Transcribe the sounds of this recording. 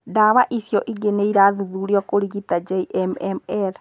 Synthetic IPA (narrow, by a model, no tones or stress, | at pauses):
daβaʔisjɔʔiɡeneiɾaːðuðuːɾiɔkoɾiɣitad͡ʒɛiʔɛmɛmɛɾ